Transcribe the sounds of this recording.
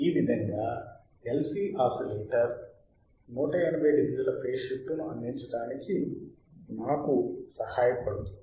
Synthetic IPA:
iːʋid̪ʱɐŋɡaː | elsiːʔaːsileːʈɐɾ | nuːʈɐjɐnibeːd̪iɡid̪ulɐpʰeːʂiʈːunuɐnd̪iɲt͡ʃɐɽaːniki | maːkusɐhaːjɐpɐɽut̪u

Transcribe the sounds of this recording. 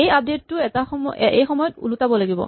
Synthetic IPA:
ejap̚detːʊɛtaxɔmʔejxɔmɔjɔtṵlutabɔlaɡibɔ̰

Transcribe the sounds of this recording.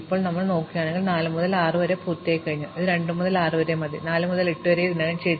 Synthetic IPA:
ipːo̞ːɭnɐmːɐɭno̞ːkːijaːɳe̞ŋɡilnaːlɨmuðɐlaːrɨʋɐɾepuːrt̪ːejkːɐɻiɲːuɐðɨɾe̞ɳɖɨmuðɐlaːrɨʋɐɾemɐðḭnaːlɨmuðɐleʈːuʋɐɾeðinːaːɭɐt͡ɕej̪

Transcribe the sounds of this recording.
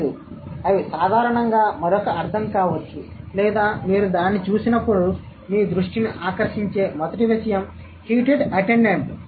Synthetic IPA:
u | ɐʋisaːd̪ʱaːɾɐɳɐŋɡaːmɐɾokɐɐɾt̪ʰɐmkaːʋɐt͡ʃːulɛːd̪aːmiːɾud̪aːnːit͡ʃuːsinɐpːuɽu | miːd̪ɾuʂʈiniʔaːkɐɾʂiɲt͡ʃe̞ːmɐd̪ɐʈiʋiʃɐjɐm | hiːʈeɖɐʈeɳɖeɳʈ

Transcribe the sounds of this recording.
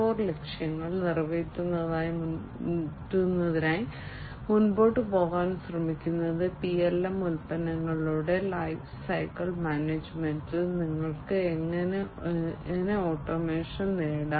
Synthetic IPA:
oːrle̞kʂjɐŋːɐɭnirʋetʲːunːɐðaːjimu | tːunːɐðinaːji | munbo̞ːʈːɨpo̞ːɣaːnsrɐmikʲːunːɐðɨpijelːɐmːulpɐnɐŋːɐɭuːɽe̞lɐjfsɐjkɐɭmaːneːd͡ʑmendɨniŋːɐɭkɨeŋːɐne | neoːʈːomeːʂɐnneːɽa

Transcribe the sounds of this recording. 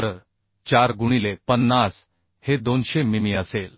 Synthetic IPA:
ɾə | t͡ɕaɾɡuɽ̃ilepənːas | hed̪onɕemimiəsel

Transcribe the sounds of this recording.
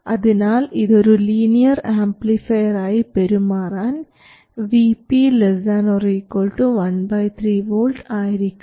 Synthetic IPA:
ʔɐðinaːliðoɾuliːnijɐɾaːmplifɐjɐɾaːjipɛɾɯmaːɾaːn | ʋiːpiːlɛzaːnoːɾikːoːlʈuʋɐnbɐjt̪ʰɾiːʋoːlʈaːjɪɾikʲː

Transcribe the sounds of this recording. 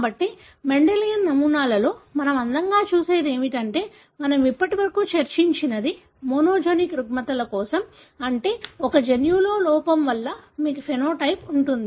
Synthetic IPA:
kaːbɐʈːi | me̞ɳɖelijɐnːɐmuːnaːlɐlo̞ːmɐnɐmɐnd̪ɐŋɡaːt͡ʃuːse̞ːd̪e̞ːmiʈɐɳʈe̞ː | mɐnɐmipːɐʈiʋɐɾɐkuːt͡ʃɐɾt͡ʃiɲt͡ʃinɐd̪i | moːnoːd͡ʒenikɾuɡmɐt̪ɐlɐkɔːsɐm | ɐɳʈe̞ːɔkɐd͡ʒenjuːloːlɔːpɐmʋɐlːɐmiːkupʰenoːʈɐjpuɳʈund̪i

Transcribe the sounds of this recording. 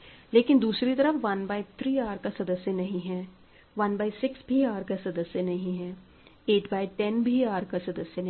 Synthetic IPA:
leːkɪnd̪uːsɾit̪ɐɾəfʋɐnbaːɪt̪ʰɾiːaːɾkasɐd̪əsjənɐɦĩɦɛ̃ː | ʋɐnbaːɪsɪksbʱiaːɾkasɐd̪əsjənɐɦĩɦɛ̃ː | eːʈbaːiʈɛnbʱiaːɾkasɐd̪əsjən

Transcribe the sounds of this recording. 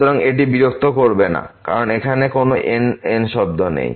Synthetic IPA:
t̪oɾaŋeʈ̬ibiɾok̚t̪ʰokoɾbena̰ka̰ɾonekʰanekonoʔenenʃɔb̚d̪ʱonḛj

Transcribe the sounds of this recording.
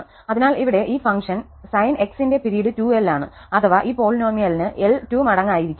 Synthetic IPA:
ɐðinaːliʋiɽe̞ʔiːfɐŋkʂɐn | sɐjne̞ksinde̞piɾijɐɽɨtuːelːaːɳɨ | ɐt̪ʰɐʋaʔiːpo̞ːlno̞ːmijɐlinɨʔeltːuːmɐɽɐŋːaːjiɾikʲːu

